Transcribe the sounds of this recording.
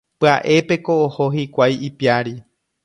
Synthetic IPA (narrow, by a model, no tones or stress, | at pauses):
pɨaʔe̞pe̞ko̞ːho̞ɦikʷajipiaɾi